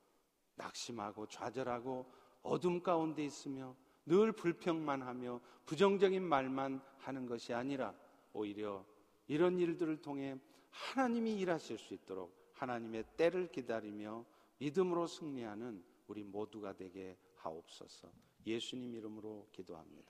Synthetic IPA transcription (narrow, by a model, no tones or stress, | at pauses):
na̰k̚ɕ͈imɦaɡot͡ɕwa̰d͡ʑʌɾɦaɡo | ʌ̰dɯmk͈aunde̞is͈ɯmjʌ | nɯɭpuɭpʰjʌŋmanɦamjʌpud͡ʑʌŋd͡ʑʌɡinmaɭmanhanɯnɡʌɕʰiaɲiɾa | oiɾjʌ | iɾʌniɭdɯɾɯɭtʰoŋɦe̞ | hanaɲimiːɾaɕʰiɭs͈uit̚t͈oɾo̰k̚ | hanaɲime̞t͈e̞ɾɯɭkidaɾimjʌ | midɯmɯɾosʰɯŋɲiɦanɯn | uɾimoduɡadwe̞ɡe̞ | ha̰o̰p̚s͈ʌ̰sʰʌ̰ | je̞sʰuɲimiɾɯmɯɾokido̰ɦa̰mɲid̥a